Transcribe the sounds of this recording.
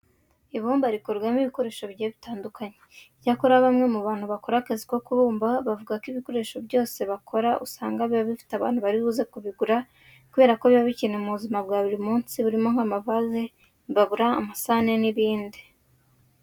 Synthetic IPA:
iβuːmbaɾikoɾɡwamiβiko̞ɾe̞ːʃo̞βɟieβitaːndukaɲe̥ | jakoɾaβamŋe̞muβaːn̥huβako̞ɾakaziko̞kuβuːmbaβavuɡakiβiko̞ɾe̞ːʃo̞bjo̞ːse̞βakʰo̞ɾaʔṵsaːŋɡaβiβaβifi̥taβa̰ːn̥huβaɾiβuzekuβiɡuɾa | kuβeɾakoβjβaβicinemuβuzimabɡaβuɾimuːnsiβuɾimo̞ŋhamavaze | βaβuɾa̰ːmasane̞niβiːndi

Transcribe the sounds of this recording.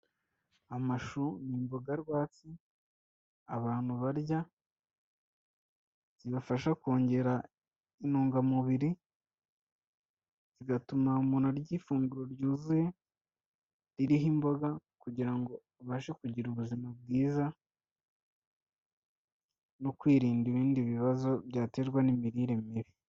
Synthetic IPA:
amaʃunimbo̞ɡaɾɡwaːt͡si | aβaːn̥huβaɾja | z̥iβafaʃako̞ːɲɟe̞ɾa | inuːŋɡamuβiɾi | z̥iɡatumamunaɾɟiːfuːŋɡuɾo̞ɾɟuːzuje̞ | ɾiɾiɦimbo̞ɡakuɟiɾaŋɡo̞ | βaʃekuɟiɾuβuzimab̚ɡiːza | nokwiːɾiːndiβiːndiβiβazo̞bɟaːte̞ːɾɡwanimiɾiːɾe̞miβi

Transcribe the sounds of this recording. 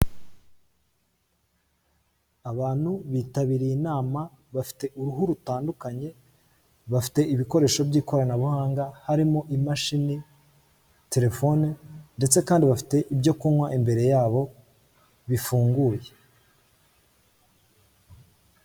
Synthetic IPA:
aβaːn̥huβiːtaβiɾiinaːma | βafi̥te̞ʔuɾuɦuɾutaːndukaɲe̞ | βafi̥te̞iβiko̞ɾe̞ːʃo̞bɟiːko̞ɾanaβuhaːŋɡahaɾimo̞ʔimaʃini | te̞ɾe̞fo̞nende̞t͡se̞kaːndiβafi̥te̞ʔibɟo̞kunwaʔimbe̞ɾe̞jaːβo̞ | βifuːŋɡuːje̞

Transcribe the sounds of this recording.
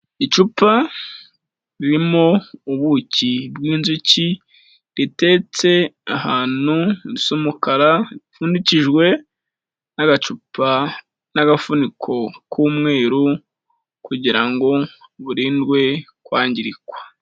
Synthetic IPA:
it͡ʃupa | ɾiɾimouβuːcibwiːnzuci | ɾite̞t͡se̞ahaːn̥huɾisomukaɾaifuːndiciʒwe̞ | naɡat͡ʃupʰa | naɡafunikʰo̞kʰuːmŋe̞ːɾu | kuɟiɾaŋɡo̞βuɾiːndɡwe̞kwaːɲɟiɾikwḁ

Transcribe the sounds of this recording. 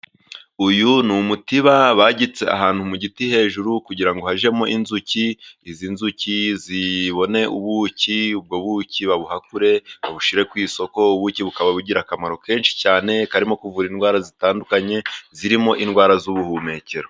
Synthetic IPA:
ujunumutiβaβaɟit͡se̞a̰ɦaːn̥humuɟitihe̞ːʒuɾukuɟiɾaŋɡo̞haʒe̞mo̞ʔinzuciizinzuciziβo̞ne̞uβuciub̚ɡo̞βuciβaβuhakuɾe̞βaβuʃiɾe̞kwiːso̞ko̞uβuciβukaβaβuɟiɾakamaɾo̞ke̞ːnʃi̥caːne̞kaɾimo̞kuvuɾinɡwaːɾazitaːndukaɲe̞ziɾimo̞ʔinɡwaːɾazuβuhume̞ce̞ɾo

